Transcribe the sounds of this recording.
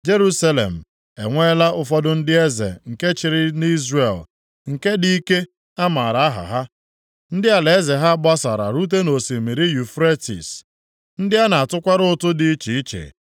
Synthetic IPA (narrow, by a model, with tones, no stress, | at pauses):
d͡ʒe˦ɾu˦sa˦lḛ˨m̩˨ | e˨ŋʷe˦la˦ʊ˦fɔ˦dʊ˦n̩˦dɪ˦e˦zḛ˨ŋ̩˨ke˦t͡ʃɪ˨ɾɪ˦ni˦zre˨l | ŋ̩˨ke˦di˦i˦ke˦ | a˦ma˨ɾa˨˦ɦa̰˨ɦa˦ | n̩˦dɪ˦a˨le˨e˦ze˨ɦa˦ɡ͡ba˦sa˨ɾa̰˨ɾu˦t̬e˦no˨si˨mi˨ɾi˦ju˨fɾe˦tḭ˨s | n̩˦dɪ˦a˦na˨a˨tʊ˦kʷa˦ɾʊ˦˨tʊ˦dɪ˨i˦t͡ʃi˨i˦t͡ʃḛ˨